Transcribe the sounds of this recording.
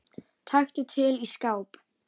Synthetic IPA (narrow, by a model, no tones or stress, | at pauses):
t̪ʰajxt̪ɪt̪ʰɪliskaːwp